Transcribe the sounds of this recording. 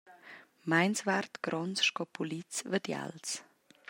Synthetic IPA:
maɪnsvartɡ̥ɾɔnt͡sʃkɔpʰulit͡svədja̰ls

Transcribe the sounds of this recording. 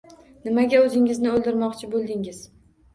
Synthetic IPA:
nɪmaɡʲaɵzɪŋɪznɪɵlˠd̪ɪɾmɒqt͡ʃʰɪbolˠd̪ɪŋɪz

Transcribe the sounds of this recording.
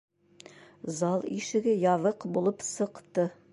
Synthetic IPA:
zɑlˠiʃɘ̆ɡɘjɑðɤqbulˠɤpsɤ̆qt̪ɤ

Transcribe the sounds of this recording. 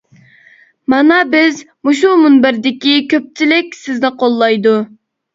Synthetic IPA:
mɑnɑbɪz | muʃumunbæɾd̪ɪkʲikʲʰøp̚t͡ʃʰilɪkʲsɪznɪqʰolˠːɑjd̪u

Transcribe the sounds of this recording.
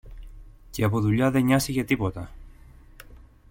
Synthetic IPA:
ceɐpo̞ðuʎɐðe̞ɲɐsice̞t̪ipo̞t̪ɐ

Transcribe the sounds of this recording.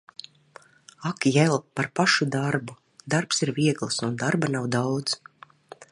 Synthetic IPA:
akjɛlˠpaɾpaʃud̪aɾbu | d̪aɾpsiɾviɛɡlˠsund̪aɾbanawd̪awd̪z

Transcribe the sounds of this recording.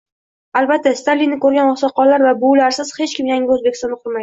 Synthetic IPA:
albat̪ʰːast̪ʰalːinɪkɵɾɡʲanosɒqːɒlːaɾvabolaɾsɪz̥he̞t͡ʃkʲɪmjaŋʲɪɵzbekʲɪst̪ɒnːɨqʰʊɾmajd̪ɪ

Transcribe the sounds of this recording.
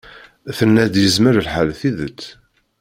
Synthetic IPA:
θənːæd̪jəzməɾəlħalθiðət͡sː

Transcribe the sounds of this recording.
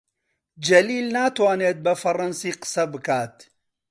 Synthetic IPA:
d͡ʒɐliːlnaːt̪waːneːt̪̚bɐfɐrɐnsiːqə̥sɐbɨkaːt̪

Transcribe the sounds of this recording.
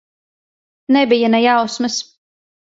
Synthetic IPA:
nɛbijanɛjawsmɨs

